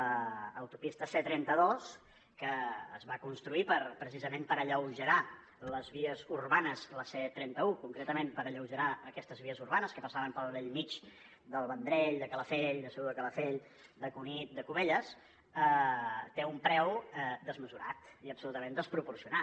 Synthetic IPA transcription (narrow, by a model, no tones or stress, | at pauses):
əəwt̪upist̪əset̪ɾɛnt̪əðos | kə̰ːzβakunst̪ɾuipəɾpɾəsizəmẽmpəɾəʎəwʒəɾa | ləzβiəzuɾβanəzləset̪ɾɛnt̪əukuŋkɾet̪əmempəɾəʎəwʒəɾaəkɛst̪əzβiəzurβanəskəpəsaβəmpəlˠβɛʎmit͡ʃ | d̪əlˠβənd̪ɾɛʎd̪əkələfeʎd̪əsəuðəkələfeʎ | d̪əkunit̪̚d̪əkuβeʎəs | ət̪eumpɾɛwɛd̪əzməzuɾa̰t̪iəpsulut̪əmẽnd̪əspɾupuɾsiuna